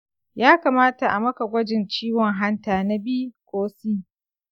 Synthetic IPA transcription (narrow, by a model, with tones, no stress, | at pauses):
jaː˦kaː˨maː˦ta˨ʔa˨mɐ˦ka˨ɡʷɐ˦d͡ʒɪ˨nt͡ʃiː˦wɔ˨ŋɦa˦ntaː˨na˦biː˦kʷʼoː˦siː˦